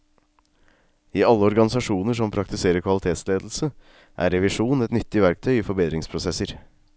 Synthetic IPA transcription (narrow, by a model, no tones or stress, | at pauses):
iːɑlːəɔɾɡɑnɪsɑʂuːnəʂɔmpʰɾɑk̚t̪ɪseːɾəɾkʰʋɑlɪt̪ʰeːt̪sleːd̪l̩sə | ʔæ̰ːɾɛʋɪʂuːnn̩ɛt̪nʏt̪ːɪʋæɾk̚t̪ʰœʏiːfɔɾbeːd̪ɾɪŋspʰɾʊsɛsəɾ